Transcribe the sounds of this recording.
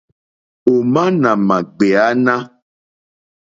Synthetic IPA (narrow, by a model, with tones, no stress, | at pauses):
o˨mã˦nã˨mã˨ɡ͡be˨a˨˦nã˦